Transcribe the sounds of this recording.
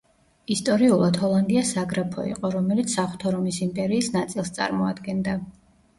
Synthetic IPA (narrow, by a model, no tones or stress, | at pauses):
ist̪ʼɔɾiulˠad̪hɔlˠand̪iasaɡɾapʰɔ̰ḭqʼɔɾɔmɛlit̪ssaχu̥t̪ʰɔɾɔmisimpʼɛɾiːsnat̪sʼilˠst̪sʼa̰ɾmɔa̰d̪ɡɛnd̪a